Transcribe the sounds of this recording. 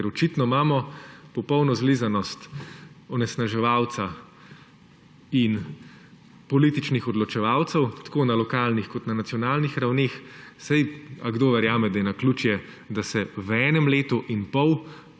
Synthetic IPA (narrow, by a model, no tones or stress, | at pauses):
kɛɾɔt͡ʃiːt̪nɔmaːmɔpɔpɔwnɔzliːzanɔst̪ɔnɛsnaʒɛʋaːwt̪sa | in | pɔliːt̪it͡ʃnixɔd̪lɔt͡ʃɛʋawt̪sɛwt̪ḁkoːnalɔkaːlnixkɔt̪nanat̪sijɔnaːlnixɾawneːxsajaɡd̪oːʋɛɾjaːmɛd̪ajɛnakluːt͡ʃjɛ | d̪asɛwɛːnɛmleːt̪uʔinpɔw